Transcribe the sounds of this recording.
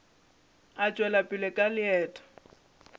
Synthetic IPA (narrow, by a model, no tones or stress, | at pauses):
at͡ʃʼwɛlapʼɪlɛkʼalɪɛːtʼḁ